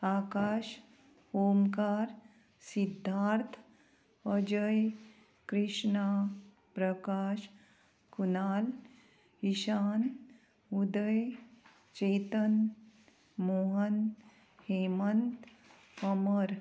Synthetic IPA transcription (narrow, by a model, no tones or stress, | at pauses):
akaːʃ | hoːmkaːɾ | sid̪ʱːaːɾt̪ʰ | əd͡ʑəj | kɾiʂɳa | pɾəkaːʃ | kunaːl | iɕaːn | ud̪əj | t͡ɕet̪ən | moɦən | hemənt̪ | əməɾ